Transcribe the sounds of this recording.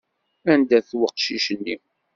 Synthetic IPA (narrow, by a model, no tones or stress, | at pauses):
ænd̪æθwəqːʃiʃənːi